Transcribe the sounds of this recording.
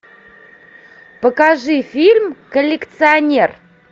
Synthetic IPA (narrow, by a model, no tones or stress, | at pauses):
pɐkaʐɨfʲilʲmkolʲːekt̪sɨanʲe̞r